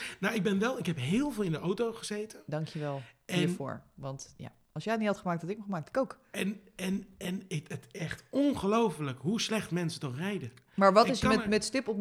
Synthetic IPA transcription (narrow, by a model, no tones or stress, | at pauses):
nawɪɡ̚bɛnʋɛlˠɪkɦɛpɦɪːlˠvɪːlˠɪndəʔowtowχəzejtədɑŋkjəʋɛlˠɛiɹfʊ̰ːɹʋɑntja̰ | ɑlˠsjɛjtnihɑtχəmaːktɔtɪkəmχəmaːk̚tɪ̥kowk | ɛnɛnɛnɪətɛχtɔnχəlowfələkɦuslɛχtmɛnsətɔχrɛjdə | maːɹʋɔtɪsmɛmɛtstɪpɔp